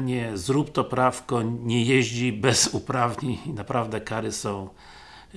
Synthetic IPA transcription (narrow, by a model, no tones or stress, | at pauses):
ɲɛzɾupt̪ɔpɾafkɔɲɛjɛʑd͡ʑibɛz̥upɾavɲeɲinapɾavd̪ɛkaɾɘsɔ̃w̃